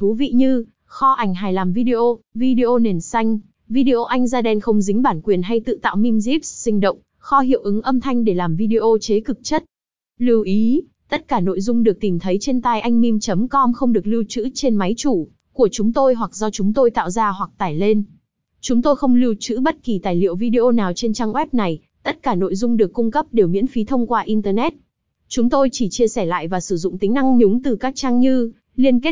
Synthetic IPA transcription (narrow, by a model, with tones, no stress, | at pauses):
t̪ʰu˨˦vḭ˧˨ɲɨ˧ | xɔ˧ʔa˧˩jŋ̟ɦaː˨˩jlaː˨˩mvi˧ɗi˧ʔo˧vi˧ɗi˧ʔo˧ne˨˩nsa˧jŋ̟ | vi˧ɗi˧ʔo˧ʔa˧jŋ̟zaː˧ɗɛ˧nxə˧wŋ͡mzï˨˦ŋ̟ɓaː˧˩nkwi˨˩ənɦa˧jt̪ɨ̰˧˨t̪a̰ː˧˨wmi˧mzi˦˥p̚ssï˧ŋ̟ɗə̰˧˨wŋ͡m | xɔ˧ɦḭ˧˨əwʔɨ˨˦ŋʔə˧mt̪ʰa˧jŋ̟ɗe˧˩laː˨˩mvi˧ɗi˧ʔo˧t͡ɕe˨˦kɨ˨˩k̚t͡ɕə˦˥t̚ | li˧wʔi˨˦ | t̪ə˦˥t̚kaː˧˩no̰˧˨jzʊ˧ŋ͡mɗɨ˨˩ək̚t̪i˨˩mt̪ʰə˨˦jt͡ɕe˧nt̪a˧jʔa˧jŋ̟mi˧mt͡ɕə˨˦mkɔ˧mxə˧wŋ͡mɗɨ˨˩k̚li˧wt͡ɕɨ̰˧˥t͡ɕe˧nma˨˦jt͡ɕu˧˩ | ku˧˩ət͡ɕʊ˨˦ŋ͡mt̪o˧jɦwa˨˩k̚zɔ˧t͡ɕʊ˨˦ŋ͡mt̪o˧jt̪a̰ː˧˨wzaː˧ɦwa˨˩k̚t̪aː˨˩jle˧n | t͡ɕʊ˨˦ŋ͡mt̪o˧jxə˧wŋ͡mli˧wt͡ɕɨ̰˧˥ɓə˦˥t̚ki˨˩t̪aː˨˩jlḭ˧˨əwvi˧ɗi˧ʔo˧naː˨˩wt͡ɕe˧nt͡ɕaː˧ŋʔwɛ˦˥p̚na˨˩j | t̪ə˦˥t̚kaː˧˩no̰˧˨jzʊ˧ŋ͡mɗɨ˨˩əkːʊ˧ŋ͡mkə˦˥p̚ɗe˨˩wmḭ˧˥ənfi˨˦t̪ʰə˧wŋ͡mkwaː˧ʔi˧nt̪əː˧nɛ˦˥t̚ | t͡ɕʊ˨˦ŋ͡mt̪o˧jt͡ɕi˧˩t͡ɕi˧əsɛ˧˩la̰ː˧˨jvaː˨˩sɨ˧˩zʊ̰˧˨ŋ͡mt̪ï˨˦ŋna˧ŋɲʊ˨˦ŋ͡mt̪ɨ˨˩kaː˦˥k̚t͡ɕaː˧ŋɲɨ˧ | li˧ənke˦˥t̚